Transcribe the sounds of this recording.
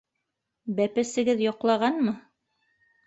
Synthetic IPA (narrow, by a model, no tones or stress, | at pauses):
bæpɘ̆sɘ̆ɡɘðjŏqlˠɑʁɑnmɤ